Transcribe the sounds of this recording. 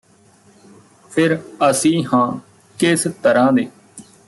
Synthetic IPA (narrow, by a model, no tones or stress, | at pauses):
pʰɪɾəsĩːɦãː | kɪst̪əɾãːd̪eː